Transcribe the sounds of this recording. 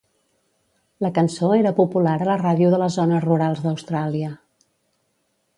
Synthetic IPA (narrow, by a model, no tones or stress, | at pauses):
ləkənsoeɾəpupulaɾələraðiuðələzonəruɾalˠzðəwst̪ɾaliə